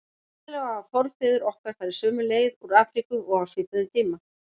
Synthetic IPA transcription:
lɛɣaːfɔɾðfɪːðʏɾɔhkaɾ̥faːɾɪɾ̥sœːmʏleːjðuɾaːfɾikʏɔɣawsvɪːt̪ɪðʏmt̪ʰiːma

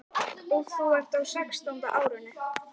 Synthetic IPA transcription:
owθuɛr̥t̪awsɛkst̪awnt̪a̰ʔaːwɾʏnːʏ

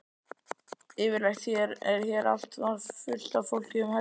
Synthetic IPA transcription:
ɪːvɪɾlɛjxt̪çɛɾɛɾ̥çɛɾa̰l̥t̪vafʏl̥t̪avfowl̥cɪʏmha

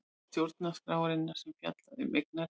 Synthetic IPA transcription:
st̪jowɾt̪naskɾaːwaɾɪnːaɾ̥sɛmfja̰t̪laðɪ̰mek̚naɾ

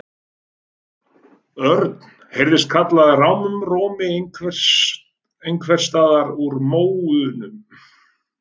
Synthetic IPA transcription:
œɾt̪n̥ | hejɾðɪst̪̚kʰat̪laðrawmʏmroːmɪ | ejŋkʰvɛr̥st̪aːðaɾuɾmoːwʏnʏm

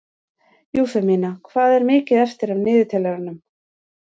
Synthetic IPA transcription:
juːθɛmiːnakʰvaːðɛɾmɪːcɪðɛft̪ɪɾavnɪːðɪt̪ʰɛːlɛɣɾanʏm

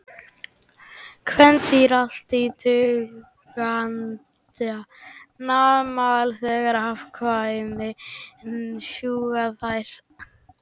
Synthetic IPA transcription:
kʰvɛnt̪iɾal̥t̪it̪ʏ | ɣan | anamalθɛːɣaɾhafkʰvajmɪ | ʃuːɣaθajɾ̥

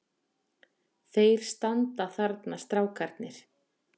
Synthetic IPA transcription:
θejɾ̥st̪ant̪aθaɾt̪nast̪ɾaːwkʰaɾt̪nɪɾ̥

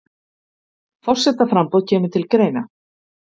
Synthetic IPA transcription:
fɔr̥sɛt̪ːafɾampɔðcʰɛːmʏ̥t̪ʰɪlkɾeːjna

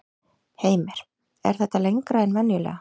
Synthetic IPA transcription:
heːjmɛɾ̥ | ɛ̰ɾ̥θɛht̪alejŋkɾaðɛnvɛnjʏlɛ̰ːɣa

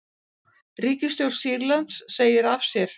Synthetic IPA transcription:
riːcɪst̪jowɾ̥siɾlant̪sːeːjɪɾafsjɛɾ̥

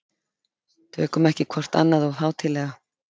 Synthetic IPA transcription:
θʏkʰɔmɛhcɪkʰvɔr̥t̪a̰nːaðɔɣθaːwt̪ʰɪlɛːɣa

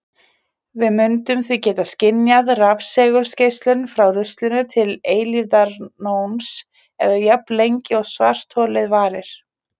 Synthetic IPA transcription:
vɪðmʏnt̪ʏmθicɛːt̪ascɪnjaðravsɛːɣʏɾ̥scejst̪lʏnfɾawrʏst̪lʏnʏt̪ʰɪleːjlivðaɾnowns | ɛðajaplejɲcɪɔɣsva̰r̥t̪ʰɔːlɪðvaːɾɪɾ̥

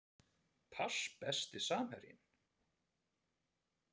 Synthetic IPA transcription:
pʰaspɛst̪ɪsaːmhɛɾjɪ̰n

